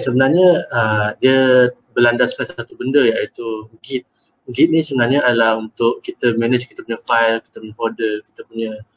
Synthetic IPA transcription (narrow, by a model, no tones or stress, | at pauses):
səbənarɲəədiə | bəlandaskansat̪ubəndəjait̪uɡit̪̚ | ɡit̪̚nĩsəbənarɲəadalahunt̪ʊʔkit̪əmɛnəd͡ʒki̥t̪əpuɲəfajlki̥t̪əpuɲə̃fodəki̥t̪əpuɲə̃